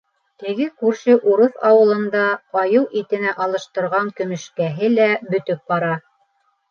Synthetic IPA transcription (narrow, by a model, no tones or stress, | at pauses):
t̪ɘ̆ɡɘkʉɾʃɘʔuɾɤθɑwɤ̆lˠɤ̆nd̪ɑqɑjɤwʔit̪ɘ̆næʔɑlˠɤ̆ʃt̪ɤ̆ɾʁɑŋkɵ̆mɵ̆ʃkæɦɘlæbɵ̆t̪ɵp̚bɑɾɑ